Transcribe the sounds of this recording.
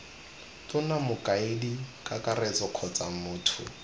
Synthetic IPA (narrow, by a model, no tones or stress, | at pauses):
tʊnamʊkʼaedikʼakʼarɛt͡sʼɔkʰɔt͡samʊːtʰʊ̰